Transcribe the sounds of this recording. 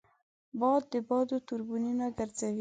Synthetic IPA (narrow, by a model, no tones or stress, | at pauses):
bɑd̪̚ːəbɑd̪ot̪uɾbuninaɡaɾzawi